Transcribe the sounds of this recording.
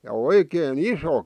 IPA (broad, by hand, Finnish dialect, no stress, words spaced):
jɑ oikeːn iso